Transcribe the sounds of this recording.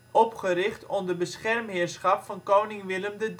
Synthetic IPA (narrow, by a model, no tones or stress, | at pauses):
ɔpχəɾɪχtɔmdəbəsχɛrmɦɪːɹsχɑpfɑnkownɪŋʋɪləmdəd